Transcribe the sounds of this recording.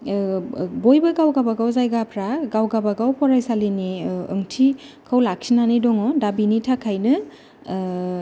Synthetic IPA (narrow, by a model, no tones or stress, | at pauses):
bojbɯɡawɡabaɡawzajɡapʰɾaɡawɡabaɡawpʰɔɾajsaliniɯ̰ŋtʰi | kʰawlak̚sinanidɔŋɔdabinitʰakʰajnɯ